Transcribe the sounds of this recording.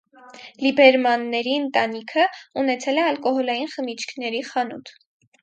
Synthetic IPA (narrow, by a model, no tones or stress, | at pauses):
libɛɾmɑnːɛɾiənt̪ɑnikʰəunɛt͡sʰɛlɛɑlkɔɦɔlɑjinχəmit͡ʃʰkʰnɛɾiχɑnut̪ʰ